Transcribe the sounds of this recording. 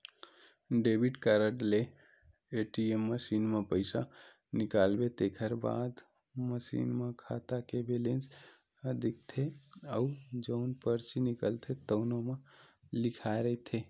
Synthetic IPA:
ɖebʱiʈkəɾəʈleː | ʈiemːəsinmepəɪsa | nikalbet̪ekʰəɾba̰d̪ | məsḭnmekʰat̪akebelens | əd̪ʱik̚t̪ʰeəud͡ʒəʊnpəɾt͡ʃinikəlt̪ʰet̪əʊnome | likʰaeɾət̪ʰe

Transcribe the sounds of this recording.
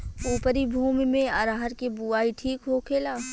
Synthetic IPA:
uːpəɾibʱuːmimẽəɾaɦəɾkebuaːiʈʰiːkɦokʰeːlaː

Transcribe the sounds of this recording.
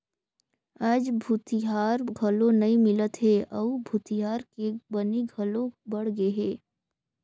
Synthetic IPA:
aːd͡ʒbʱuːt̪iɦaːɾɡʱɐlõnɐĩmɪlət̪ɦɛɐubʱuːt̪iɦaːɾkebɐniɡʱɐlõbɐɽ̤ɡeɦɛː

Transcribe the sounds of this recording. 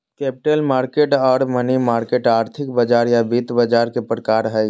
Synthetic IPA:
kɛːpɪʈəlmaːɾkeʈɔːɾmənimaːɾkeʈaːɾt̪ʰɪkbəd͡ʒaːɾjabit̪bəd͡ʒaːɾkepɾəkaːɾɦə

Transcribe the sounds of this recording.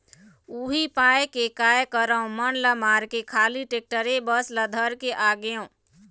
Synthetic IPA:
uɦipajkekajkəɾəũmənləmaɾkekʰaliʈek̚ʈəɾebəsləd̪ʱəɾkeʔaɡeõ

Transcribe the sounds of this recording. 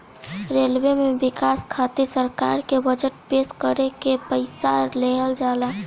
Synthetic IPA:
ɾeːlwemẽʋɪkaːskʰaːt̪esəɾka̰ːɾkebəd͡ʒəʈpeːskəɾekepəɪsaleːɦəld͡ʒaːlaː

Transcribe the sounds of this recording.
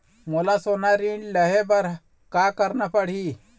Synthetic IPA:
molasonaɾinlɐɦebɐɾ | kaːkɐɾnɐpɐɽ̤i

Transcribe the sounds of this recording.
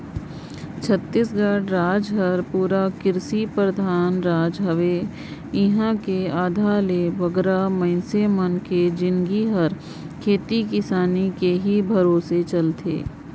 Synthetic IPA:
t͡ʃʰət̪ːisɡaːɽɾaːd͡ʒɦəɾpuːɾakɪɾsipɾəd̪ʱaːnɾaːd͡ʒɦəʋe | ɪɦãkeaːd̪ʱaːleʋəɡɾamə̃ɪnsemənked͡ʒɪ̃nɡiɦəɾ | kʰeːt̪ikɪsaːnikeɦibʱɐɾoːset͡ʃɐlt̪ʰḛː

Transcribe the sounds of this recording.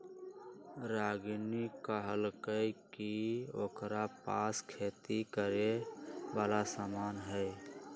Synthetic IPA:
ɾaːɡnikəɦəlkəjkiokɾapaːskʰeːt̪ikəɾeʋaːlasaːmaːnɦəj

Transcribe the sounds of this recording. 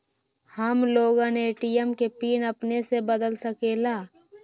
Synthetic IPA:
həmloːɡãneːʈijəmkepiːnəpnesebəd̪əlsəkeːlaː

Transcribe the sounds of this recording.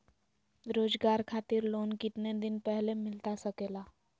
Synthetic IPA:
ɾoːd͡zɡaɾkʰat̪iːɾlonkit̪ned̪inpəɦlemɪlt̪asəkela

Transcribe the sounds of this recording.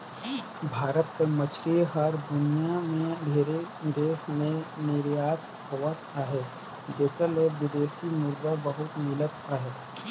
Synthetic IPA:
bʱaːɾət̪kemət͡ʃʰɾiɦɐɾd̪ʊnijamẽbʱeːɾe | d̪eːʃmẽnɪɾjaːt̪ | ɦoːat̪aːɦɛ | d͡ʒeːkəleʋɪd̪eːʃimʊɾd̪abɐɦʊt̪mɪlət̪aːɦɛː

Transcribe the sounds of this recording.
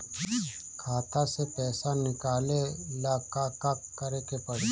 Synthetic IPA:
kʰaːt̪asepɛːsanɪkaːlelaːkakakːəɾekepɐɽ

